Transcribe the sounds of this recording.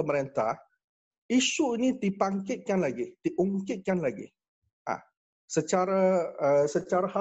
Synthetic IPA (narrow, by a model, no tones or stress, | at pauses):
əməɾent̪ah | iʃuinĩd̪ipaŋkɪt̪̚kanlaɡid̪̥iʔuŋkɪt̪̚kanlaɡḭ | ʔa̰ | sət͡ʃaɾaəsət͡ʃaɾaha